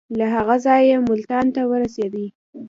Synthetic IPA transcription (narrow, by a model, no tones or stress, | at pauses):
laɦaɣazɑjemʊlt̪ɑnt̪awəɾased̪i